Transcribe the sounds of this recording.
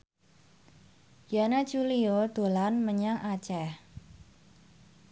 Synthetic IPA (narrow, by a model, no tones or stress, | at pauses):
janḁd͡ʒuliod̪̥o̤lanməɲaŋʔat͡ʃɛh